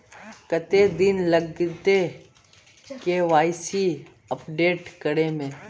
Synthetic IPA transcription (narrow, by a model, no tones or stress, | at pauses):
kət̪ed̪ɪnləɡt̪e | keʋaːɪsi | əpɖeːʈkəɽemẽː